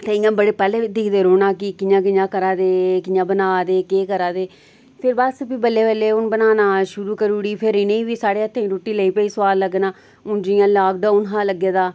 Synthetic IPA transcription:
t̪eːɪ̃jãːbəɽeːpɛːleːd̪ɪkʰd̪eːɾoːnaːkɪkɪjãːk̬ɪjãːkəɾaːd̪eːkɪjãːbənaːd̪eːkeːkəɾaːd̪eː | pʰɪɾbəsbiːbəlːeːʋəlːeːʊnbənaːnaːʃʊɾuːkəɾuːɽiːpʰɪɾɪnẽːiːʋiːsaːɽeːət̪ʰːẽːĩɾoːʈːiːləiːpəiːsəaːlːəɡnaː | ʊnd͡ʒɪjãːlaːk̚ɖaːʊnɦaːləɡːeːd̪aː

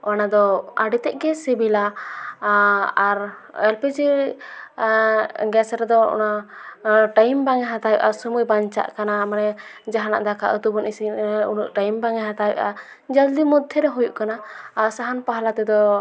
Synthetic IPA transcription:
ɔnad̪ɔaɖit̪ɛʔɡɛsɛbila | ɾɛlpɛd͡ʒɛ | ɡɛsɾɛd̪ɔɔ̰na | ʈajmbaŋɛɦat̪abɛ̰ʔasumujbaɲt͡ʃa̰ʔkanamanɛd͡ʒaɦana̰ʔd̪akʰa̰ʔut̪ubɔnisinunuʔʈajmbaŋɛɦat̪abɛ̰ʔa | d͡ʒald̪imɔd̪ʱjɛɾɛɦujuʔkanaːɾsaɦanpaɦalat̪ɛd̪ɔ

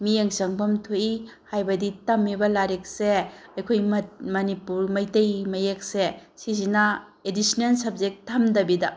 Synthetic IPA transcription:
mijeŋsɐŋbɐmtʰojihajbɐditɐmːibɐlaɾek̚seɐjkʰojmɐnipuɾmɐjtɐjmɐjek̚sesizinɐ | edisnelsɐb̚d͡ʒek̚tʰɐmdɐbidɐ

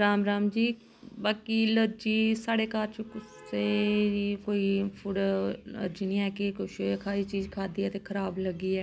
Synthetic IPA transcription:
ɾaːmɾaːmd͡ʒiː | baːkiːləɾd͡ʒiːsaːɽeːkaːɾt͡ʃokʊs | eɾiːkoːiːpʰʊɖə̰ɾd͡ʒiːnĩːɛːkɪkʊʃoːəkʰaːiːt͡ʃiːd͡ʒkʰaːd̪iːɛːt̪eːkʰəɾaːbləɡiːɛː

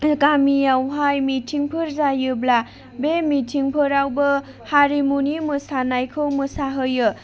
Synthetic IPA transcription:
kamijawɦajmitʰiŋpʰɯɾzajɯbla | bemitʰiŋpʰɯɾawbɯ | haɾimunimɯsanajkʰɯwmɯsaɦɯjɯ

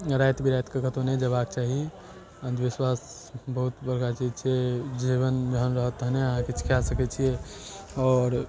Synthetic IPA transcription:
ɾajt̪bʱiɾajt̪kəkʰət̪oned͡ʒəβak̚t͡ʃaːɦi | ə̃nd̪ʋiswaːs | bəɦut̪bəɾɡat͡ʃit͡ʃʰied͡ʒiʋənbəɦənɾəɦət̪ːəɦneəɦãkit͡ʃʰi̥kasəkɛt͡ʃʰijeɔːɾ

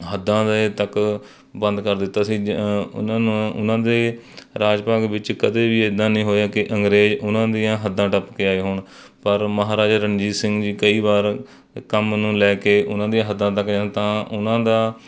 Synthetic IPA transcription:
ɦəd̪ːãːd̪et̪ək | bənd̪kəɾd̪ɪt̪ːaːsĩːʊ̰nãːnũːʊ̰nãːd̪eː | ɾaːd͡ʒpaːɡʋɪt͡ʃkəd̪eːʋiːed̪ãːnĩːɦoːjaːkɪʔəŋɡɾeːd͡ʒʊnãːd̪ijãːɦəd̪ːãːʈəpkeːaːeːɦʊɳ | pəɾməɦaːɾaːd͡ʒɾənd͡ʒiːsɪ̃ŋɡd͡ʒiːkəiːbaːɾ | kəmnũːlɛːkeːʔʊnãːd̪ijãːɦəd̪ːãːt̪əkd͡ʒãːt̪ãːʊnãːd̪aː

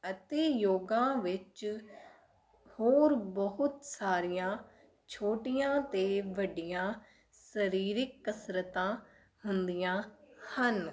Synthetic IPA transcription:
ət̪eːjoːɡãːʋɪt͡ʃ | hoːɾbəɦʊt̪saːɾijãː | t͡ʃʰoːʈijãːt̪eːʋəɖɪjãː | səɾiːɾɪkːəsɾət̪ãː | hʊnd̪ijãːhən

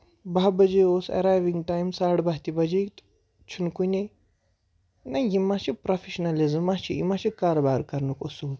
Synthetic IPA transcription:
baɦbɐd͡ʒeoːsɐ̰ɾaːjʋiŋɡʈaːjmsaːɽbaɦt̪ibɐd͡ʒe | t͡ʃʰunkune | najimat͡ʃʰipɾofʰeʃnɐlizmːat͡ʃʰijḭmat͡ʃʰikaːɾobaːɾkɐɾnukusuːl

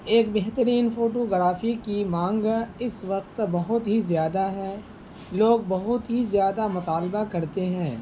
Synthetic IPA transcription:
eːk̚beɦt̪əɾiːnfoːʈoɡɐɾaːfikimãːŋɡɪsʋɐqt̪bɐɦʊt̪ɦizjaːd̪aɦɛː | loːɡ̚bɐɦʊt̪ɦizjaːd̪amʊt̪aːlbakɐɾt̪eɦɛ̃ː

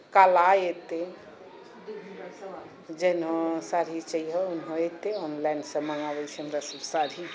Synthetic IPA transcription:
kalaet̪e | d͡ʒenɦõsaɾit͡ʃəiɦɔunɦõet̪eɔnlajnsə̃məŋɡabɛt͡ʃʰɛɦəmɾasəbsaɾi

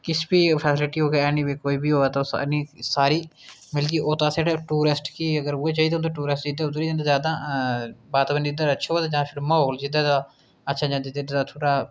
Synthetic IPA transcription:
kɪsbiːpʰɛːsɪlɪʈiːɦoːɡeːɛːniːʋiːkoːiːbiːɦoːɛːt̪ːsnĩːsaːɾiːmɪlɡiːʔoːt̪ãːseɽaːʈuːɾɪsʈkiəɡəɾueːt͡ʃaːiːd̪eont̪ãːʈuːɾɪsʈd͡ʒid̪eːʊoɾiːd͡ʒaːnd̪aːzjaːd̪ãː | baːt̪ːbənd͡ʒid̪əɾəʃʰoːd̪aːd͡ʒãːpʰɪɾməɦoːld͡ʒɪd̪aːd̪aː | ətːʃʰãːd͡ʒãnd̪iːt̪eɖ̪aːt̪ʰoːʈaː

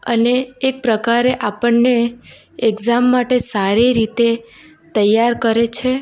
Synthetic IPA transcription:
ə̰neːk̚pɾəkaɾeʔapəɳne | ekzamːaʈesaɾiɾit̪e | t̪əjːaɾkəɾet͡ʃʰe

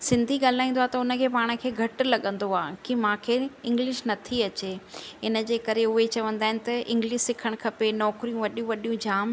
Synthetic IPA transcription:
sɪ̃nd̪ʱiɠaːl̤aːĩːnd̪oaːt̪ɐʊnə̆kʰeːpaːɽ̃ə̆kʰeːɡʱɐʈlɐɠə̃nd̪oaːkimãːkʰeɪ̃ŋɡlɪʃnɐt̪ʰiɐt͡ɕeɦɪnə̆d͡ʑeːkɐɾeʊɦet͡ɕɐʋə̃nd̪aːɦɪnɪ̆t̪ɐʔɪ̃ŋɡlɪʃsɪkʰəɽ̃kʰɐpenɔːkɾijũʋɐɗijũʋɐɗijũd͡ʑaːm

